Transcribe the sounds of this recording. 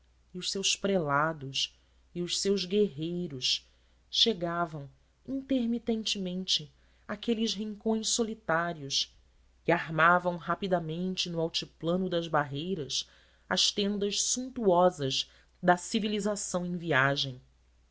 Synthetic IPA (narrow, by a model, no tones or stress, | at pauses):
iʊʃsewspɾelad̪ʊs | iʊʃsewzɡeɦejɾʊs | ʃeɡavɐ̃w̃ | ĩnt̪eɾmit̪ẽnt͡ʃɪmẽnt͡ʃɪ | akelɪʃɦĩŋkõj̃ssolit̪aɾiʊs | kɪaɦmavɐ̃w̃ɦapid̪amẽnt͡ʃɪnʊawt͡ʃiplɐ̃nʊd̪ɐzbaɦejɾɐs | ɐʃt̪ẽnd̪ɐʃsũnt̪uɔzɐz | d̪ɐsivilizasɐ̃w̃ẽj̃viaʒẽj̃